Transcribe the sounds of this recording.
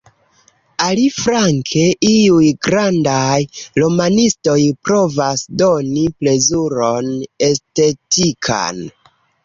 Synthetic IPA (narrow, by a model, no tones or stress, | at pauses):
alifɾaŋkʰe̞ʔiujɡɾandajlo̞manisto̞jpɾo̞vasdo̞niple̞zuɾo̞ne̞ste̞tikʰa̰n